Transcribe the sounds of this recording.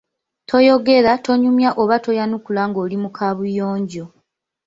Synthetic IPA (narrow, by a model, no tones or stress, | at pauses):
tʰo̞jo̞ɡe̞ɾatʰo̞ɲumjaʔoβato̞janukulaŋɡo̞ːlimukʰaβujoːɲɟo̞